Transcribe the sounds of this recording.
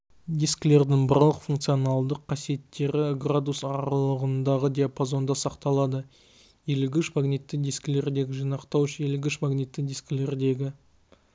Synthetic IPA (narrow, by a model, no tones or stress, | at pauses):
d̪iskʲle̞ɾd̪ɪŋbəɾlˠəqfuŋk̚t̪sɨjonɑlˠd̪əqʰːɑsije̞t̪ːe̞ɾɪɡrad̪usɑɾɑlˠəʁənd̪ɑʁəd̪ʲijapʰozo̞nd̪ɑsɑqt̪ɑlˠɑd̪ə | elɪɡʲʏʃmaɡnit̪ːɪd̪ijskʲle̞ɾd̪e̞ɡʲɪʒijnɑqt̪ɑwʃjelɪɡʲɪʃmaɡnʲit̪ːɪd̪iskʲle̞ɾd̪e̞ɡʲɪ